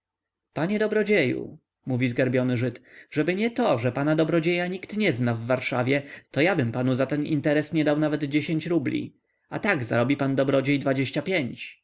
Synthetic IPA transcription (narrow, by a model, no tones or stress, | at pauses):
paɲɛd̪ɔbɾɔd͡ʑejṵ | muvʲizɡaɾbʲjɔnɘʐɘt̪ʐɛbɘɲɛt̪ɔʐɛpanad̪ɔbɾɔd͡ʑejaɲikt̪ɲɛznavːaɾʂavʲjɛt̪ɔjabɘmpanuzat̪ɛnḭnt̪ɛɾɛsɲɛd̪awnavɛd̪d͡ʑeɕeɲt͡ɕɾublʲḭ | at̪aɡza̰ɾɔbʲipand̪ɔbɾɔd͡ʑejd̪vad͡ʑeɕt͡ɕapʲjeɲt͡ɕ